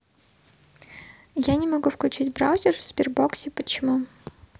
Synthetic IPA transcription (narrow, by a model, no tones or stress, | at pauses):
janʲɪmɐɡufklʲʉt͡ɕitʲbɾaʊzʲɪrfspʲɪrbo̞ksʲɪpət͡ɕɪmu